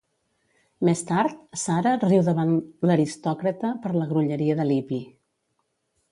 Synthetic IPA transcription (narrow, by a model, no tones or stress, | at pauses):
mest̪aɾt̪saɾəriwðəβanləɾist̪ɔkɾət̪əpəɾləɣɾuʎəɾiəðəlipi